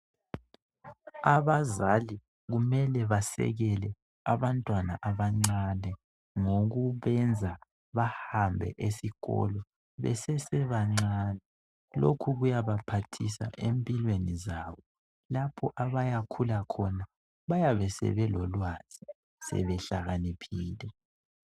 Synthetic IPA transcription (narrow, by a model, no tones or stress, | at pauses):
aβazali | ɣumɛlɛβasɛ̰ɣɛlɛ | aβantʼwanaʔaβaŋ͡ǀanɛ | ŋoɣuβɛnd͡zʱa | βahambʱɛ̰ʔesiɣɔ̰lɔ | βɛ̰sɛsɛβaŋ͡ǀaːnɛ | lo̰kʰuɣujaβapʰatʰisa̰ʔempʼilwenizaːβɔ | lapʰɔʔaβajakʰulakʰɔna | βajaβɛsɛ̰βɛlɔlwaz̥i | sɛ̰βɛɬaɣanipʰiːlɛ